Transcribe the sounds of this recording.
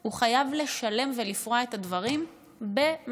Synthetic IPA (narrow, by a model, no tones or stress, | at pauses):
huχajavle̞ʃale̞mve̞lifʁae̞tadvɐʁim | be̞m